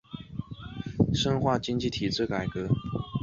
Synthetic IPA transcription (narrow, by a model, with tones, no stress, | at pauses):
ʂə˥nxwa˥˩t͡ɕi˥ŋt͡ɕi˥˩t̪ʰi˨˩ʈ͡ʂɻ̩˥˩ka˨˩ɪkɤ˧˥